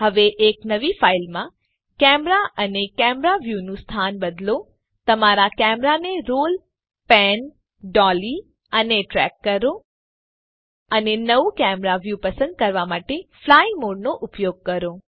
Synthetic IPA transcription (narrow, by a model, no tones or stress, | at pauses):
ɦəʋeʔeknəʋifailmã | kɛmɾaʔənekɛmɾaʋjunũst̪ʰanbəd̪lo | t̪əmaɾakɛmɾaneɾol | pɛn | ɖɔli | əneʈɾɛ̰kːəɾo | ənenəʋukɛmɾaʋjupəsə̃nd̪̚kəɾʋamaʈeflaimoɖnoʔʊpjoɡ̚kəɾo